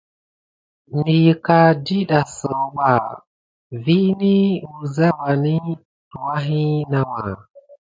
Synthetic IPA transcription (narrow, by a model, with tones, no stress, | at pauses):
mi˨ka˨di˦ɗa˨sə˨˦ɓa˨ | vi˦ni˦wu˨za˦wa˨ni˦ | tu˨wa˦ɦi˦na˦wa˨